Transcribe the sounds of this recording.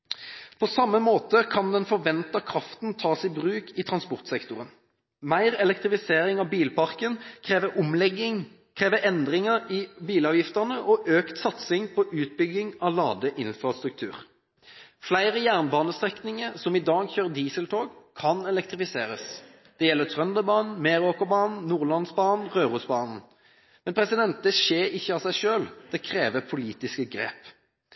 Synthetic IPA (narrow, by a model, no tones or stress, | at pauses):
pʰɔsɑmːəmoːt̪əkʰɑnd̪ɛnfɔʁʋɛnt̪əkʰʁɑft̪n̩t̪ʰɑːsɪbʁʉːkʰɪt̪ʰʁɑnspɔʁt̪sɛkt̪ʊʁən | mæɪʁɛlɛk̚t̪ʁɪfɪseːɾɪŋɑbiːlpɑʁkənkʰʁeːʋəʔʊmlɛɡːɪŋ | kʰʁeːʋəɛnd̪ʁɪŋəʁɪbiːlɑːʋjɪft̪əʁnəʔɔʔøːkt̪sɑt̪sɪŋpʰɔʔʉːt̪̚bʏɡɪŋɑʋlɑ̰ːd̪əʔɪnfʁɑst̪ɾʉk̚t̪ʰʉ̰ːʁ | flæɪʁəjæːʁnbɑːnəst̪ʁɛknɪŋəʁsɔmɪd̪ɑːɡçøːʁd̪iːsəlt̪ʰoːɡkʰɑnɛlɛkt̪ʁɪfɪseːɾəs | d̪̥ɛjɛlːət̪ʰʁœnd̪əbɑːnn̩meːɾoːkəbɑːnn̩nːuːʁlɑnsbɑːnn̩ʁøːʁuːsbɑːnn̩ | mɛnpʰɾɛsɪd̪ɛnt̪̚d̪ɛʃeːɾɪçːəɑsæɪʂøːld̪̥ɛkʰɾeːʋəpʰʊliːt̪ɪskəɡɾḛːp